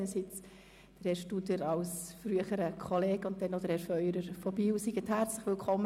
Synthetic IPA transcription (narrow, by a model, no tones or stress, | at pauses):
nəsit͡s | d̥əɾhɛɾʃtud̪əɾɑʊsfɾyəχəɾəkʰɔleːɡ̥ʊnt̚dɛnod̥̪əɾhɛɾfœʏɾəɾfɔb̥iːusiɡəthæɾt͡sləχʋɪlkʰɔmː